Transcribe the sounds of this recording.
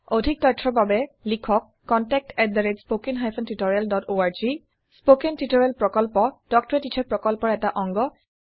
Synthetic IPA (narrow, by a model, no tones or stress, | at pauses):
odʱik̚tɔjtʰːɔbabɛlikʰɔkːɔntɛk̚tɛt̚daɹedspokinɦajpʰɔntutɔɹijaldɔtoaɹzi | spokentutɔɹialpɹɔkɔlpɔd̥ɔk̚tɔɹɛtitʰɛɹpɹɔkɔlpɔɹɛtaʔɔŋɡɔ